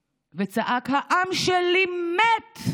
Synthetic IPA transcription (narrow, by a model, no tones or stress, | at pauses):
vet͡saʔakhaʔamʃelimet̪